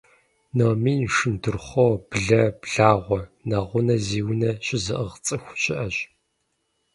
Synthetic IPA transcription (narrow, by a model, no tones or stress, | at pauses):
noːmiːnʂɨndɨrχʷɔwb̥ɮɐbɮaːʁʷɔnɐʁʷʊnɐziːwnɐɕɪzɨʔəʁt͡sʼɨxʷɕʼɪʔɐɕʼ